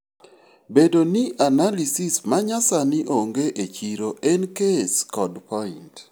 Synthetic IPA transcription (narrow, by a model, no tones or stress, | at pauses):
bedoniʔanalisismaɲasanɪʔoŋɡeʔet͡ʃiɾoʔenkeskɔdpɔɪnt